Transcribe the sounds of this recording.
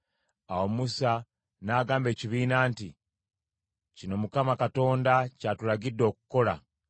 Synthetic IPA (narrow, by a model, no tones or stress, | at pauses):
awomusa | naːɡaːmbe̞ːciβiːnaːnti | cino̞mukamakato̞ːndacaːtuɾaɡidːo̞ːku̥ko̞la̰